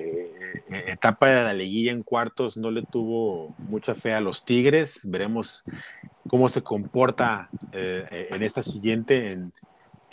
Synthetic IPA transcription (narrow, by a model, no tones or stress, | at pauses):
et̪apaðelale̞ɣiʝaeŋkwaɾt̪o̞zno̞le̞t̪uβo̞mut͡ʃafe̞alo̞st̪iɣɾe̞sbe̞ɾe̞mo̞s | ko̞mo̞se̞ko̞mpo̞ɾt̪aeenest̪asiɣje̞nt̪e̞ːn